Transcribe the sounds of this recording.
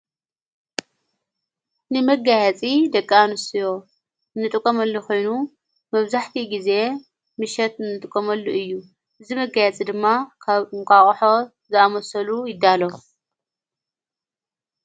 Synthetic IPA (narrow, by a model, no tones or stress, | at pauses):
nɨmɐɡajɐt͡sʼid̪ɐkʼːaanɨsɨjo̞ | ɨnːɨt̪ʼɨkʼːomɐlːokʰo̞jnu | mɐβzaħt̪ʰiɡize̞ | mɨʃɛt̪ɨnːɨt̪ʼɨkʼːomɐlːuʔɨjːu | ʔɨzimɐɡajɛt͡sʼid̪ɨmːakʼaχʼħo̞ | zɨamɐsɐlujɪd̪ːalo